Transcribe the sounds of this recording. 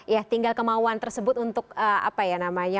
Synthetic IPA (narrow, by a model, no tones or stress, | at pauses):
jat̪iŋɡalkəmauant̪ərsəbʊt̪unt̪ʊkəa̰pajanamaja